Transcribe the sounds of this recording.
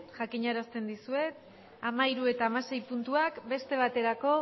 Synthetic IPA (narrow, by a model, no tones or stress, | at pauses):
ʝakiɲaɾast̪e̞nd̪isue̞t̪ | amaiɾue̞t̪aːmase̞jpunt̪uakbe̞st̪e̞β̞at̪e̞ɾako̞